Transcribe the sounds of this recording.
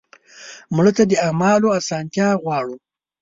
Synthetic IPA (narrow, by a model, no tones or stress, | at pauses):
mɽət̪ad̪əamɑloasɑnt̪jɑɣwɑːɽu